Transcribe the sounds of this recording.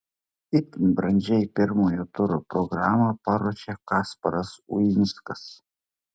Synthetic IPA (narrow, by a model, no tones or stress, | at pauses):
ɪt̪ʲnʲbɾɐnʲd͡ʒʲɛɪpʲɪɾmoːjoːt̪ʊɾoːpɾɔɡɾɑːmɐpɑɾoːʃʲekɑːspɐɾɐsʊ̰jɪnʲskɐs